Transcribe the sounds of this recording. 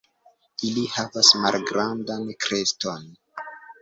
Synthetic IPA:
ilihavasmalɡɾandankɾeston

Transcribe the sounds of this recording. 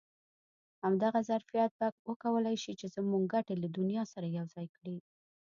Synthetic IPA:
hamd̪aɣazaɾfijat̪̚baɡwəkawəlajʃit͡ʃezəmuŋɡɡaʈelad̪ʊnijɑsaɾajawzɑjkɽi

